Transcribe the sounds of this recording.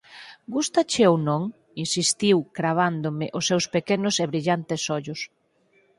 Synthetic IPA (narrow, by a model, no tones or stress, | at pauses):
ɡust̪at͡ʃɪownõŋ | insist̪iwkɾaβ̞and̪omɪʔʊsːewspekenʊseβɾiʎant̪ɪsɔʎʊs